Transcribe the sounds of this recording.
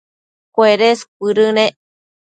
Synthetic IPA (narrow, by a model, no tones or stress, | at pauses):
kʷeɾesk̚ʷɨɾɨnẽ